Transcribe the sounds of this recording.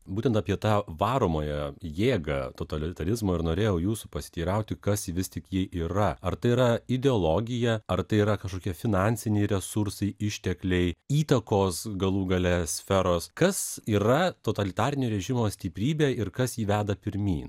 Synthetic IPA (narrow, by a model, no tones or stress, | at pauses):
buːt̪ʲɛnt̪ɑpʲiɛt̪ɑːʋɑːɾoːmoːjɛjeːɡɐt̪oːt̪ɐlʲɪt̪ɐɾʲɪzmoːɪɾnoːɾʲeːjɛʊjuːsupɐsʲɪ̥t̪ʲiːɾɐʊt̪ʲɪkɐsʋʲɪst̪ʲɪkjɛʔiːɾɐɐɾt̪ɐɪiːɾɐɪd̪ʲɛolˠoːɡʲɪjɛɐɾt̪ɐɪiːɾɐkɐʃkoːkʲiɛfʲɪnɑːnʲsʲɪnʲɛɪɾʲɛsʊɾsɐɪɪʃʲt̪ʲɛklʲɛɪiːt̪ɐkoːsɡɐlˠuːɡɐlʲɛsʲfʲɛɾoːskɐsiːɾɐt̪oːt̪ɐlʲɪt̪ɑːɾʲɪnʲoːɾʲɛʒʲɪmoːsʲt̪ʲɪpʲɾʲiːbʲeːɪɾkɐsjiːʋʲæːd̪ɐpʲɪɾʲmʲḭːn